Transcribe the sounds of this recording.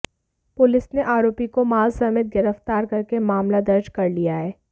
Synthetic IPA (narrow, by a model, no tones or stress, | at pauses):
pʊlɪsneʔaːɾoːpikomaːlsɐmɪt̪̚ɡɪɾəft̪aːɾkɐɾkemaːmlad̪ɐɾd͡ʒkɐɾlijaɦɛː